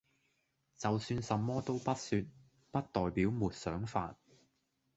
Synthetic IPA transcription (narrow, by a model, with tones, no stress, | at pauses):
t͡sɐ˨wsyː˧nsɐ˨mːɔː˥t̪o˥wpɐ˥t̚syː˧t̚ | pɐ˥t̚t̪ɔː˨jpiː˨˥wmuː˨t̚sœː˨˥ŋfaː˧t̚